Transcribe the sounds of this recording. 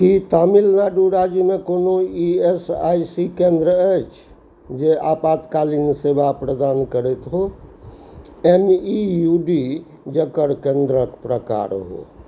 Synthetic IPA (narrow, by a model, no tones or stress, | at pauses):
kit̪amilnaɖuɾad͡ʒimekonoiesa̰jsikẽnd̪ɾəət͡ʃʰ | d͡ʒeapat̪kalinsebapɾəd̪ankəɾɛt̪ɦo | emijuɖi | d͡ʒəkəɾkẽnd̪ɾəkpɾəka̰ɾɦo̰